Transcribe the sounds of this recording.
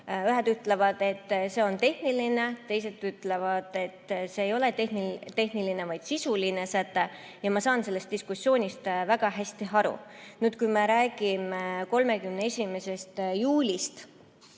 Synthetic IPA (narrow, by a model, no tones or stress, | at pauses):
yɦed̪yt̪ˑle̞vɑd̪̥e̞t̪ːse̞o̞nt̪e̞hniline̞t̪e̞jse̞t̪ːˑyt̪ˑle̞vɑd̪̥e̞t̪ːseːjo̞let̪ehnit̪ːe̞hniline̞vɑjd̪̥sisuline̞sæt̪ːˑe | jɑmɑsɑːnse̞lːest̪̚d̪iskusːjo̞ːnʲist̪væɡ̥ɑɦæsʲt̪iɦɑɾṵnyːt̪kujmeɾæːɡ̥imeko̞lme̞kymnee̞sʲime̞se̞st̪juːlʲist̪